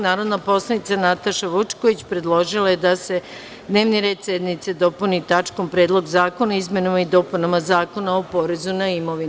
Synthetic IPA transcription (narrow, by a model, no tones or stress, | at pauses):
naːɾo̞d̪napo̞slˠanit̪sanat̪aʃaʋut͡ʃko̞ʋit͡ɕpɾed̪lˠo̞ʒilajed̪ase̞ | d̪ne̞ːʋniɾe̞ːd̪sed̪nit̪sed̪o̞punit̪at͡ʃkompɾe̞ːd̪lˠo̞ɡzaːko̞naizmʲjenamaid̪o̞punamazaːko̞naopo̞ɾe̞zunaimo̞ʋin